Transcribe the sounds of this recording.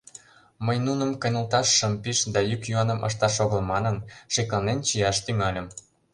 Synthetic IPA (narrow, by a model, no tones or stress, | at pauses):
məjnunə̆mkɤ̆jnə̆lt̪ɑʃːəmpiʃd̪ɑjykjuɑnə̆mʔɤ̰ʃ̬t̪ɑʃoɣə̆lmɑnənʃeklɑnent͡ɕijɑʃt̪yŋɑlʲə̆m